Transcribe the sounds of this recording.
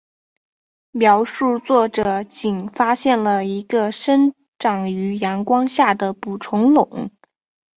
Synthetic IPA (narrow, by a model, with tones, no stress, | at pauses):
mjɑ˨˧˩ʊʂu˥˧t͡swɔ˥˩ʈ͡ʂɤ˨˩˦t͡ɕi˨˩nfa˥ɕjɛ˥˩nlə˩i˧˥ɡə˧ʂə˥n | ʈ͡ʂɑ˨˩ŋy˧˥jɑ˧˥nkwɑ˥ŋɕja˥˩d̪ə˩pu˨˩ʈ͡ʂʰʊ˧˥ŋlʊ̰˨˩˦ŋ